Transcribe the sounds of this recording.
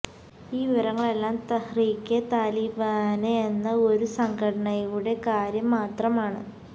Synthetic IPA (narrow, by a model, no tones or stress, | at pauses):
iːʋiʋɐɾɐŋːɐɭe̞lːaːmt̪ɐhriːkːet̪aːliːbaːneenːɐo̞ɾusɐŋɡɐɽɐɳɐjuɽe̞kaːɾjɐmːaːt̪rɐmaːɳɨ